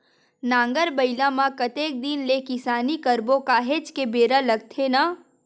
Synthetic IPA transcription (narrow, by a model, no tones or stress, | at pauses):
nãːŋɡəɾbɐɪlãmãkɐt̪eːk̚d̪inlekɪsaːnikɐɾbõkaːɦeːt͡ʃkebeːɾalɐɡ̚t̪ʰena